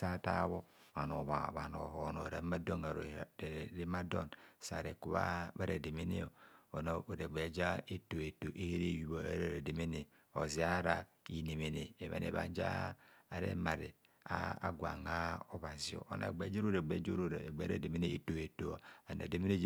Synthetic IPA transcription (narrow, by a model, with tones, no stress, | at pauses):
sa˦ta˦βo˦ | βa˨no˨βa˨βa˨no̰˨ɦo˨no̰˨ɾe˨˦ma˦do˦na˨ɾɾe˦ma˦do˦nsa˨ɾe˨ku˦βa̰˦βa˦ɾe˨de˨me˦ne˦o˨o˨no˨o˨ɾe˨ɡ͡be˨˦d͡ʒa˦e˦to˨e˨to˨ʔe˦he˦ɾe˦˨ju˨βo˨e˦ɾe˦˨ɾe˨de˨me˦ne˨ | o˨zi˨a˦ɾa˨ | i˨ne˨me˨ne˨e˨βḛ˨nḛ˨βa̰˨˦d͡ʒa̰ː˦˨ɾḛ˦ma˨ɾi˨ | a˦a˦ɡʷa̰˨ŋa˦o˦βa˨zi˨o̰˨ʔo˨na̰˨ɡ͡be˨˦d͡ʒe˦ɾo˦ɾe˨ɡ͡be˨˦d͡ʒo˦ɾo˦˨ɾɡ͡be˨˦ɾḛ˦˨de˨me˦ne˦e˨to˨e˨to˨a˨na̰˨de˨me˦ne˦